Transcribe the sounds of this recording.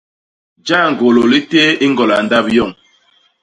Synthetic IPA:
d͡ʒa˦˨ŋ̩˨ɡo˨lo˨li˦te˦i˦ŋɡɔ˨la˨n̩˨da˦bjɔ˦˨ŋ

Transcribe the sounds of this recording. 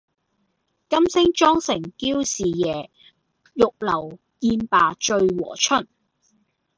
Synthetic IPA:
kɐ˥msɪ˥ŋt͡ʃɔː˥ŋsɪ˨˩ŋkiː˥wsiː˨˩jɛː˨˩ | jʊ˨k̚lɐ˨˩w | kiː˧npaː˨t͡ʃɵ˧ɥwɔ̰ː˨˩t͡ʃʰɵ˥n

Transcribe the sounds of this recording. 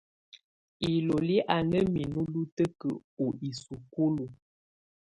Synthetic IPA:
i˨lo˨li˦ʔa˨nə˦mi˨nu˦lu˦tə˦kə̰˨u˨ʔi˨su˨ku˦lu˨

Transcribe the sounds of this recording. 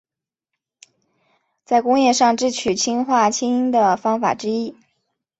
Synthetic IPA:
t͡sa˥˩ɪkʊ˥ŋjɛ˥˧ʂɑ˥˧ŋʈ͡ʂɻ̩˥˩t͡ɕʰy˨˩t͡ɕʰi˥ŋxwa˥˩t͡ɕʰi˥i˥ŋd̪ə˨fɑ˥ŋfa̰˨˩ʈ͡ʂɻ̩˥i˥

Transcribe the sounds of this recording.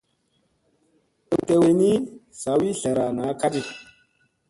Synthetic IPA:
ə˨te˨we˨ni˦sa˨wi˦ɬa˨ɾa˨na˨˦ka˦di˨

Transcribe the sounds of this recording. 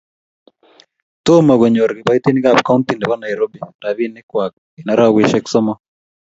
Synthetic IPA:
t̪o˦ma˨ɡo˨ɲo˨ɾɡɪ˨ba˦i˦t̪i˦ni˦ɡa˦˨p̚ka˦u˦nt̪i˨nde˨bɔ˦na˨ɛ˨ɾo˦bi˨da˨βi˦nɪ˦kwa˨k̚ | i˨na˦ɾa˦˨wi˦˨ʃɛ˦ksɔ˦mɔ˦

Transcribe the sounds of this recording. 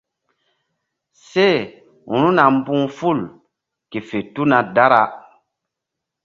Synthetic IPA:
se˦˨ | ũ˨nu˦na˨m˦bũ˦ŋfu˦˨l | ke˨fe˨tu˦na˨da˦ɾa˨

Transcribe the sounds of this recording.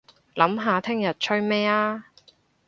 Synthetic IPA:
lɐ˨˥mɦaː˨t̪ʰɪ˥ŋjɐ˨t̚t͡ʃʰɵ˥mɛː˥aː˥

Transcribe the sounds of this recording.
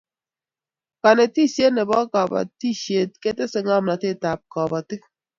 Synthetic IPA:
ka˨ne˨ti˦˨sje˦ne˨bɔ˦ka˨ba̰˨ti˦ʃje˨t̚ke˦tɪ˦sɪ˨ŋa˦mna˨tɪ˦˨ta˨p̚kɔ˨ba˨ti˦k̚

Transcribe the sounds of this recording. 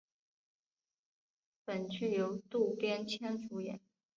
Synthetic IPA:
pə˨˩nt͡ɕy˥˩jo˧˥ʊt̪u˥˩pjɛ˥nt͡ɕʰjɛ˥nfu˧˥jɛ̰˨˩˦n

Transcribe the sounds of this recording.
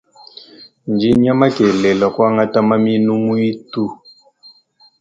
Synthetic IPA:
nd͡ʒi˦ɲ˦a˦ma˦kɛ˨lɛ˨la˨kwa˦ŋa˦ta˦ma˦mi˦nu˦mu˦i˦tu˦˨

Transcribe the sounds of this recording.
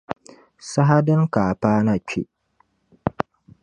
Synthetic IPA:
sa˦ɦa˦dɨ˦ŋkaː˨paː˦na˨t͡ʃḛ˦ʔ

